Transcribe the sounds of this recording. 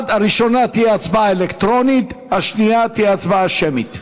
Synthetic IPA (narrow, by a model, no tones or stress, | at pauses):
d̪aɾiʃo̞nat̪hiat͡sbaelekt̪ɾo̞nit̪haʃniat̪iat͡sbaʃemit̪